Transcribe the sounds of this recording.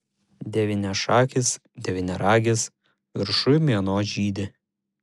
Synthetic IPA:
d̪ʲɛʋʲɪnʲɛʃɑːkʲɪs | d̪ʲɛʋʲɪnʲɛɾɑːɡʲɪs | ʋʲɪɾʃʊjmʲiɛnoːʒʲiːd̪ʲɪ

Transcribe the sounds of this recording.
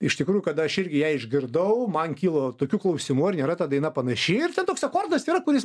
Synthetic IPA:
ɪʃt̪ʲɪkɾuːjʊkɐd̪ɐʃɪrʲɡʲɪjɛɪɪʒʲɡʲɪɾd̪ɐʊmɐnkʲiːlˠoːt̪oːkʲuːklˠɐʊsʲɪmuɪɾnʲeːɾɐt̪ɐd̪ɐɪnɐpɐnɐʃʲɪɪrtʲɛnt̪oːksɐkoːrd̪ɐsiːɾɐkʊɾʲɪs

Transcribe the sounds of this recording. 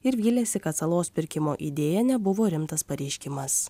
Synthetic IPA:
ɪɾʋʲiːlʲeːsʲɪkɐt̪sɐlˠoːspʲɪɾʲkʲɪmoːʔḭd̪ʲeːjɛnʲɛbʊʋoːɾʲɪmt̪ɐspɐɾʲɛɪʃʲkʲɪmɐs

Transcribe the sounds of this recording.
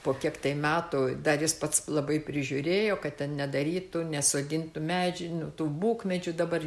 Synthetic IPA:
poːkʲiɛkt̪ɐɪmʲæːt̪uːd̪ɐjɪspɐt̪slˠɐbɐɪpʲɾʲɪʒʲʊɾʲeːjoːkɐtʲtʲɛnnʲɛd̪ɐɾʲiːt̪ʊnʲɛsoːɡʲɪnt̪ʊmʲæːd͡ʒʲɪnʊt̪uːbuːkmʲɛd͡ʒʲʊd̪ɐbɐr

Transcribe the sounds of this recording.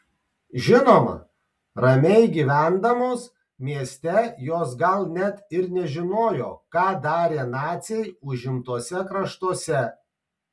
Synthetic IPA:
ʒʲɪnoːmɐ̰ | ɾɐmʲɛɪɡʲiːʋʲæˑnd̪ɐmoːs | mʲiɛsʲt̪ʲɛjoːs̬ɡɐlˠnʲɛt̪ɪɾnʲɛʒʲɪnoːjoːkɑːd̪ɑːɾʲeːnɑːt̪sʲɛɪʊʒʲɪmt̪uɔsʲɛkɾɐʃt̪uɔsʲɛ

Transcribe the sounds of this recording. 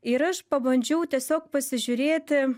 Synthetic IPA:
ɪɾɐʃpɐbɐnʲd͡ʒʲɛʊt̪ʲiɛsʲoːk̚pɐsʲɪʒʲʊɾʲeːt̪ʲɪ

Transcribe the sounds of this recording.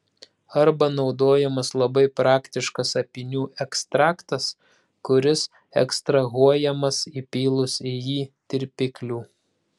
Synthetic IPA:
ɐɾbɐnɒʊd̪oːjɛmɐslˠɐbɐɪpɾɑːkt̪ʲɪʃkɐsɐpʲɪnʲuːɛkst̪ɾɑːkt̪ɐs | kʊɾʲɪs | ɛ̰kst̪ɾɐɣuɔjɛmɐsipʲiːlˠʊsɪjiːt̪ʲɪɾʲpʲɪklʲuː

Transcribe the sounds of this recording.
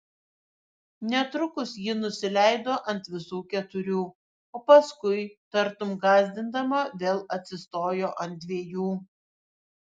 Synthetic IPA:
nʲɛt̪ɾʊkʊsjiːnʊsʲɪlʲɛɪd̪oːʔɐnt̪ʋʲɪsuːkʲɛt̪ʊɾʲuː | oːpɐskʊɪt̪ɐɾt̪ʊmɡɑːzʲd̪ʲɪnd̪ɐmɐʋʲeːlˠɐt̪ʲsʲɪst̪oːjoːʔɐnt̪̚d̪ʲʋʲeɛjuː

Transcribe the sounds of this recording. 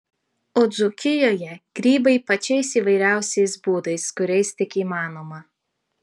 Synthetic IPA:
oːd̪zʊkʲɪjoːjɛɡ̥ɾʲiːbɐɪpɐt͡ʃʲɛɪsiːʋɐɪɾʲæˑʊsʲɛɪsbuːd̪ɐɪskʊɾʲɛɪst̪ʲɪkiːmɑːnoːmɐ

